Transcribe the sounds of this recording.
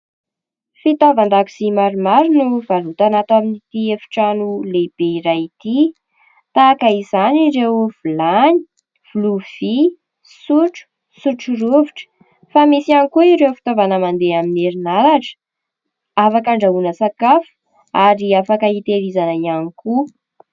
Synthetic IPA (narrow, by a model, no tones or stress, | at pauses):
fit̪ovand̪aku̥simaɾumaɾunuv̥alut̪anat̪aminit̪iefi̥ʈ͡ʂanuleb̥eiɾait̪i | t̪aːkaizanirewv̥ulani̥ | v̥uluv̥i | suʈ͡ʂu̥ | suʈ͡ʂuruviʈ͡ʂə̥ | famisianikuiɾewfi̥t̪ovanəmand̪eamineɾinaɾaʈ͡ʂə̥ | afakaɳɖ͡ʐaunəsakafu̥ | aɾiafakəit̪eɾizanaianiku